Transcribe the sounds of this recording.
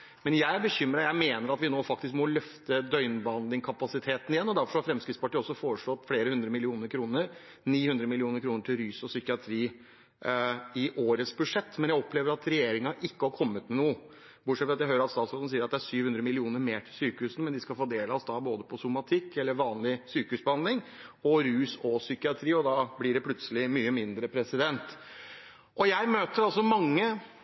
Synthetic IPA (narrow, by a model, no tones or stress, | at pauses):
mɛnjæɪbəçʏmɾɑɾjæɪmeːnəɾɑt̪ʋɪnoːfɑkt̪ɪs̬kmɔlœft̪əd̪œʏnbɑnd̪ɪŋkʰɑpɑsɪt̪ʰeːt̪nɪjɛnːɔd̪æɾfɔɾʂɔhɑɾfɾɛmskɾɪt̪spʰɑʈiːɔsːɔfoːɾəʂɭoːt̪fleːɾəhʉnd̪ɾəmɪlɪuːnəɾkʰɾuːnəɾ | niːhʉnd̪ɾəmɪlɪuːnəɾkʰɾuːnəʈʰɪlɾyːsɔsʏkɪɑt̪ʰɾiː | ɪʔoːɾəsbʉʂɛt̪ːmɛnjæɪɔpleːʋəɾɑt̪ɾɛjeːɾɪŋɑʔɪkːəhɑɾkʰɔmːət̪nuːə | bʊʈʂɛt̪ʋɑt̪jæɪɦøːɾəɾɑt̪st̪ɑːt̪sɔln̩siːəɾɑt̪d̪æʂyːʋhʉnd̪ɾəmɪlɪuːnəɾmeːʈʰɪlsyːkəhʉːsn̩mɛnd̪ɪskɑlfoːd̪eːləɑsd̪ɑːboːd̪əpʰɔsʊmɑt̪ʰɪkːɛlːəɾʋɑːnlɪsyːkəhʉːsbəhɑnd̪lɪŋɔɾʉːsɔsʏkɪɑt̪ʰɾiːɔd̪ɑːblɪɖɛpʰlʉt̪səlɪmyːəmɪnd̪ɾəpʰɾɛsɪd̪ɛnt̪ | ʔɔjæɪmøːt̪əɾɑlsɔmɑŋːə